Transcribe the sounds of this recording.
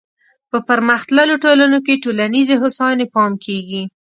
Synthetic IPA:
pəpəɾmaxt̪laloʈolanokeʈolanizeɦʊsɑnepɑmkʰeɡi

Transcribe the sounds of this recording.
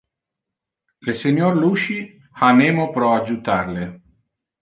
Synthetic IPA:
leseɲjoɾluːʃi | haneːmopɾɔad͡ʒut̪arle

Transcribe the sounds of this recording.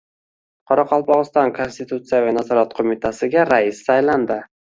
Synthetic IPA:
qʰɒɾɑqʰɒlˠpɒʁɨst̪ɒnkʰo̞nst̪it̪ʰut̪sɨjavanazɒɾat̪qʰomɪt̪ʰasɪɡʲaɾaɪssajland̪ɪ

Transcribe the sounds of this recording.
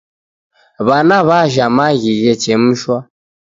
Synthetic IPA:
βanaβaʒamaɣiɣɛt͡ʃɛm̩ʃwa

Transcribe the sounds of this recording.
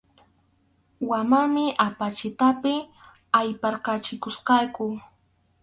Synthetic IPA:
wamamɪʔapat͡ʃɪt̪apɪ | ajpɑɾqɑt͡ʃɪkʊsqɑkʊ

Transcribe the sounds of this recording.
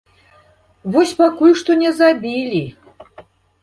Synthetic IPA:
vɔsʲpakulʲʂt̪ɔnʲɛzabʲilʲi

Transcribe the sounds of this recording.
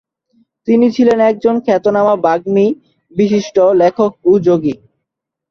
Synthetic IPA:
t̪init͡ɕʰilenɛk̚d͡ʑonkʰɛt̪onamabaɡmi | biʃiʃʈolekʰok̚ud͡ʑoɡi

